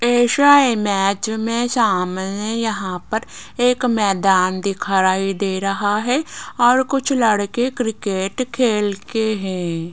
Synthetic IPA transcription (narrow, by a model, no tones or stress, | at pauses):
eːʃaːemɛːt͡ʃmẽsaːmnejɐɦãpɐɾeːkmɛːd̪aːnd̪ɪkʰaɾaːid̪eːɾɐɦaɦɛɔːɾkʊt͡ʃʰlɐɽkekɾɪkeːʈkʰeːlkeɦɛ̃ː